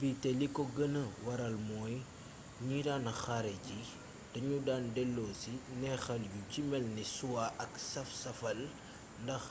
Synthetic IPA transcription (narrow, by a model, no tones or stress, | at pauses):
bitɛlikɔɡənəwɐɾɐlmɔːj | ɲiɾaːnɐxɐɾɛɟi | d̥ɐɲudaːndɛlːɔːsinɛxɐljucimɛlnisuwaʔɐksɐfsɐfɐl | ndɐx